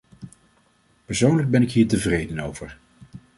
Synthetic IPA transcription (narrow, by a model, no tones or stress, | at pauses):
pəɹsownləɡ̚bɛnɪkɦiːɹtəvrejdənowvəɹ